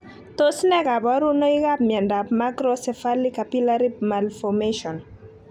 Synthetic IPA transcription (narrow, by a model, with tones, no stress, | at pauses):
to˦snɛ˦ka˨ba˦ɾu˦no˦iɡa˦pmjɛ˨nda˨pmakɾɔsɛ˨fa˦li˦ka˨pi˦laɾi˦bmalfɔmeʃɔn